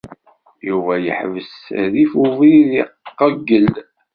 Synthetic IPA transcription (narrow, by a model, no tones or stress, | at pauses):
juvæjə̰ħvəsðifuviðiqːəɡːəl